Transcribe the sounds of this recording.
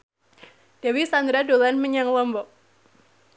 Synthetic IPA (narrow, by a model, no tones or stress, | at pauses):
d̥awisand̪ɾadolanməɲaŋlɔmbɔk̚